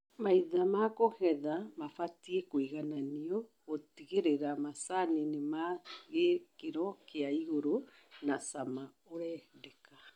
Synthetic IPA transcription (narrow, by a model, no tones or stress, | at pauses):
maiðamakohɛðamafatiekoiɣananiɔɣotiɣeɾeɾamasaninemaɣekeɾɔkeaiɣoɾo | nasama | oɾɛːdɛka